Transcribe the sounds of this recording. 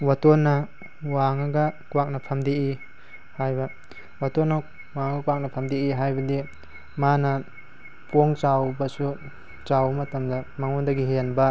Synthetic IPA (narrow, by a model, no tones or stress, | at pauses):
watonːɐ | waŋɐɡɐkuwak̚nɐpʰɐmdii | hajbɐ | watonːɐ | waŋaɡɐkuwak̚nɐpʰɐmd̪iiɦajbɐdi | manɐ | poŋt͡ʃawbɐsu | t͡ʃawɐmɐtɐmdɐmaŋondɐɡiɦenbɐ